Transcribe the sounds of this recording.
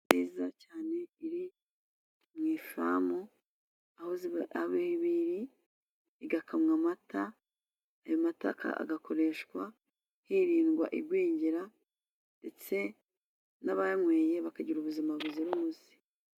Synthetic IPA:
nizacaːne̞iɾi | mŋiːfa̰mo | ahoziaβehiβiɾi | iɡakʰamŋamatʰaː | jomata̰ka̰a̰ɡakʰo̞ɾe̞ʃkwa̰ | hiɾiːnɡwa̰ʔiɾɡwiːɲɟiɾa | nde̞t͡se̞ | naβajaŋwe̞ːje̞βakaɟiɾuβuzimaβuziɾumuzi̥

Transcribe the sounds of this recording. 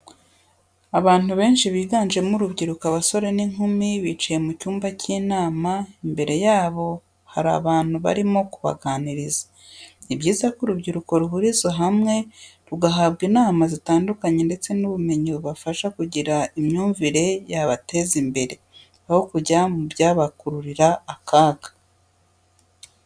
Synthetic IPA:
aβaːn̥uβe̞ːnʃiβiːɡaːnʒe̞muɾubɟiɾukaβaso̞ɾe̞niŋ̥humiβiːt͡ʃajemucuːmbaciːnaːmaimbe̞ɾe̞jaːβo̞ | haɾa̰βaːn̥huβa̰ɾimo̞kuβa̰ɡaːniɾizḁ | ibɟiːzakuɾubɟiɾuko̞ɾuɦuɾizoɦamŋe̞ɾuɡaɦabɡiːnaːmazitaːndukaɲe̞nde̞t͡se̞nuβumeɲiβuβafaʃakuɟiɾaimɲuːɱviɾe̞jaβate̞zimbe̞ɾe̞ | aho̞kuɟamubjaːβakuɾuɾiɾaːkaːɡḁ

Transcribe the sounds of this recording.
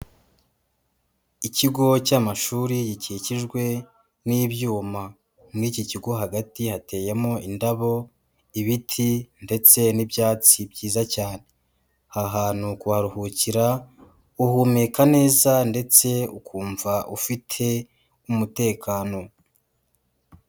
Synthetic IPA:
iciɡo̞camaʃuːɾijiciciʒɡwe̞ | niːβjuːma | mwiːciciɡo̞ɦaɡatihate̞ːjemo̞indaβo̞ | iβitʰinde̞t͡se̞nibjaːt͡sibɟiːzacaːne̞ | haɦaːn̥hukuaɾuhuciɾa | uhumekane̞ːzande̞t͡se̞ukʰuːɱvaʔufitʰe̞ | umute̞ːkʰaːno̞

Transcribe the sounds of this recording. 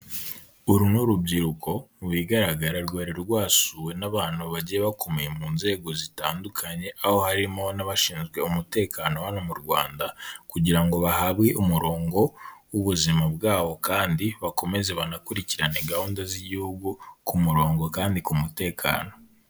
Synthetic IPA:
uɾunuɾubɟiɾukʰo̞wiːɡaɾaɡaɾaɾɡaɾeɾɾwaːsuwe̞naβaːn̥huβaɟijeβakomejemuːnze̞ːɡo̞zitaːndukʰaɲe̞ʔaho̞haɾimo̞naβaʃiːnzɡwe̞umute̞ːkʰanohanomuɾɡwa̰ːndakuɟiɾaŋɡo̞βahaβɡeʔumuɾo̞ːŋɡo̞wuβuzimabɡaːβo̞kaːndiβako̞me̞ze̞βanakuɾiciɾane̞ɡahuːndaziɟihuɡukumuɾo̞ːŋɡo̞kaːndikumute̞ːkʰa̰ːno̞

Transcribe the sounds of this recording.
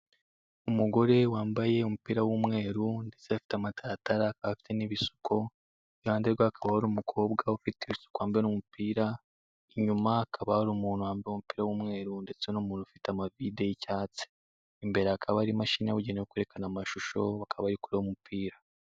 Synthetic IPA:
umuɡo̞ɾe̞waːmbaje̞omupiːɾawumŋe̞ːɾunde̞t͡seafi̥tamatʰaɾataɾakaβafi̥te̞niβisu̥kʰo̞ | jaːndeɾɡwaːkʰaβahaɾumukʰo̞ːbɡaufiteβsu̥kwaːmbienomupiːɾa | iɲumakʰaβahaɾumuːnuwaːmbomupiːɾawumŋe̞ːɾunde̞t͡senomuːnufitamavide̞jicaːt͡si̥ | imbe̞ɾaakʰaβaɾimaʃiːɲaβuɟeɲeokweɾekanamaʃuʃo̞βakʰaβaɾikuɾehomupʰiːɾa

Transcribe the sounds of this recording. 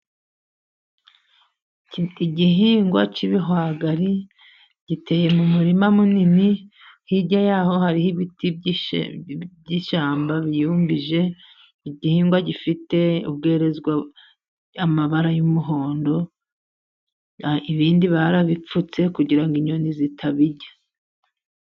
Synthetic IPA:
iɟiɦiːŋɡwa̰t͡ʃiβiɦwaːɡaɾi | ɟ̥ite̞ːje̞mumuɾimamunini | hiɟajaːho̞haɾihiβiti | ɟiʃaːmbaβijuːmbiʒe̞ | iɟihiːŋɡwaɟifite̞ṵb̚ɡe̞ːɾe̞zɡwa | amaβaɾajumuɦo̞ːndo̞ | iβiːndiβaɾaβip͡fut͡se̞kuɟiɾaŋɡiɲonizitʰaβiɟḁ

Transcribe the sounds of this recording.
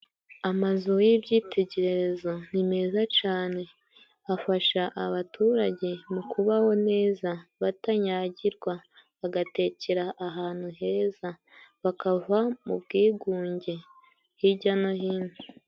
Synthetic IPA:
amazujibɟiːtʰe̞ɟe̞ɾe̞ɾe̞zo̞n̥ime̞ːzat͡ʃaːne̞ | afaʃaʔaβatuɾaɟe̞mukʰuβaho̞ne̞ːzaβataɲaːɟiɾɡwaβaɡate̞ceɾaʔːɦaːn̥huɦe̞ːza | βakavamṵbɡiːɡuːɲɟe̞ | hiɟanoɦiːne

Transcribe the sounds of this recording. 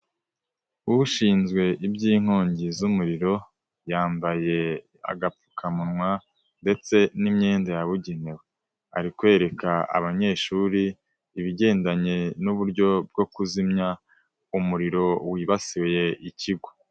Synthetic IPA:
uβuʃiːnzɡwe̞ʔibɟiːŋ̥hoːɲɟizumuɾiɾo̞ | jaːmbaje̞ | a̰ɡapu̥kʰamunŋwa | nde̞t͡se̞nimɲe̞ːndajaβuɟenewe | a̰ɾikwe̞ːɾe̞kaa̰βaɲe̞ːʃuːɾiː | βiɟe̞ːndaɲe̞nuβuɾɟo̞b̚ɡo̞kuzimɲa | umuɾiɾo̞wiːβasiweje̞ʔiciɡwo̥

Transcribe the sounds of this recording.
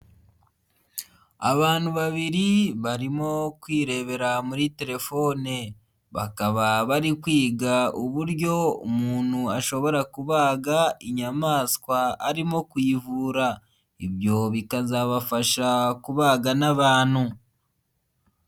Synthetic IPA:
a̰βaːn̥huβaβiɾiβaɾimo̞kwiːɾe̞βe̞ɾamuɾite̞ɾe̞fo̞ne | βa̰kaβaβaɾikwiːɡauβuɾɟo̞ṵmuːn̥huaʃo̞βo̞ɾakuβaːɡaiɲamaːskwaːɾimo̞kwiːvuːɾa | iβjo̞βikazaβafaʃakuβaːɡanaβaːn̥hu

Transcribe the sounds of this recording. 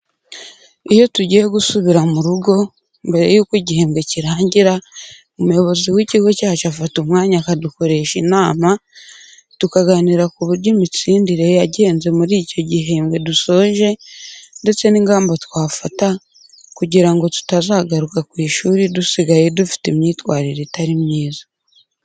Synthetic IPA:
ijo̞tuɟijeɡusuβiɾamuɾuɡo̞ | mbe̞ɾe̞̰juːkiɟihe̞ːmɡe̞ciɾaːɲɟiɾa | omujo̞βo̞ziwiːciɡo̞caːt͡ʃoafatumŋaːɲakaduko̞ɾe̞ʃinaːma | tukaɡaniɾakuβuɾɟomit͡siːndiɾe̞aɟe̞ːnze̞muɾiːco̞ɟiɦe̞ːmɡe̞duso̞ʒe̞nde̞t͡se̞niŋɡaːmbotwaːfata | kuɟiɾaŋɡo̞tu̥tazaɡaɾukakwiːʃuːɾidusiɡaje̞dufi̥temɲiːtwaːɾiɾetaɾimɲiːzḁ

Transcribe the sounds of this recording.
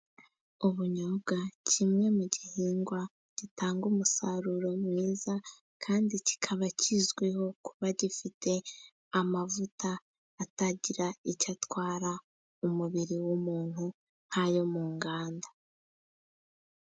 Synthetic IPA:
uβuɲobɡacʰimŋe̞muɟihiːŋɡwa | ɟ̥itʰaːŋɡumusaɾuɾo̞mŋiːza | kʰaːndici̥kʰaβacizɡweho̞ku̥βaɟifitʰe̞ | amavutaː | taɟiɾaicatwaːɾa | umuβiɾiwumuːn̥hu | n̥hajo̞muːŋɡaːnda

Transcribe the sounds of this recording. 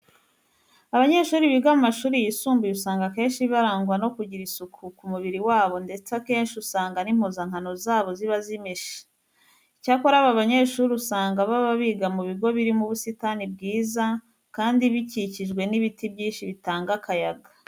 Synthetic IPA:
aβaɲe̞ːʃuːɾiβiɡamumaʃuːɾijisuːmbiusaːŋɡake̞ːnʃiβaɾaːŋɡwano̞kuɟiɾisukʰukumuβiɾiwaːβo̞nde̞t͡sake̞ːnʃiusaːŋɡanim̥hozaŋ̥anozaːβo̞ziβazimeʃe̥ | icakoɾaβaβaɲe̞ːʃuːɾiusaːŋɡaβaβaβiɡamuβiɡo̞βiɾimuβusitanib̚ɡiːza | kaːndiβiciciʒɡwe̞niβitibɟiːnʃiβitaːŋɡakajaɡa

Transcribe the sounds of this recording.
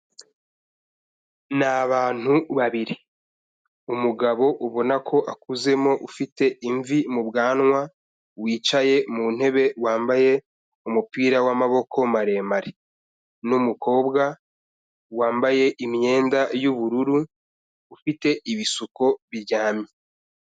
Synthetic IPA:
naβaːn̥huβaβiɾi | umuɡaβo̞ʔuβo̞nakʰo̞ʔakuze̞mo̞ʔufite̞iɱvimubɡaːnŋwa | wiːt͡ʃaje̞mun̥he̞βe̞waːmbaje̞ | umupiːɾawamaβo̞kʰo̞maɾe̞ːmaɾe | numuko̞ːbɡa | waːmbaje̞ʔimɲe̞ːndajuβuɾuɾuː | fite̞ʔiβisuko̞βiɾɟaːmɲe

